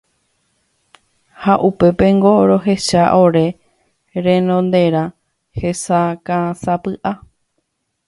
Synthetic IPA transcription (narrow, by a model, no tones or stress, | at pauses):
haʔupe̞pẽ̞ŋɡo̞ɾo̞ɦe̞ʃaʔo̞ɾe̞ | ɾẽ̞nõ̞nd̪e̞ɾã | he̞sakãsapɨʔa